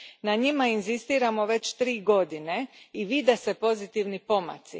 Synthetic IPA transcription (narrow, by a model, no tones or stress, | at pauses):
naɲimainzist̪iːɾamo̞ʋe̞t͡ɕt̪ɾiːɡo̞d̪ine̞iʋid̪ese̞po̞zit̪iʋnipo̞ma̰t̪sḭ